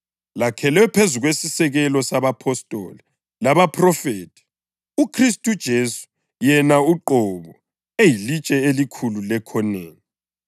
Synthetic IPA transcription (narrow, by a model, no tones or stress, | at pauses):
lakʰɛlɛpʰezuɣwesisɛɣɛlɔsaβapʰɔstʼɔ̰ːli | laβapʰʼrɔfeːtʼʰi̥ | ukʰristʼud̥ʒ̥ʱeːsu̥ | jɛnauǃɔβɔ | ejilit͡ʃʼɛelikʰululɛkʰɔneːni